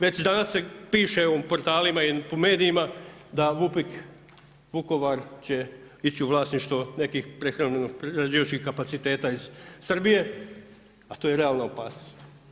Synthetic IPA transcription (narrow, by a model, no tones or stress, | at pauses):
ʋe̞t͡ɕd̪anasːe̞piːʃe̞opo̞ɾt̪aːlimaipome̞ːd̪iimad̪aʋupik | ʋuko̞ʋaɾt͡ɕe̞ | it͡ɕiuʋlaːsniʃt̪ʋone̞kixpɾexɾamenoɡpɾeɾad͡ʒiːʋat͡ʃkihkapat̪sit̪e̞ːt̪aiz̥sr̩bije̞ | at̪ojeɾe̞aːlˠnaopaːsnost̪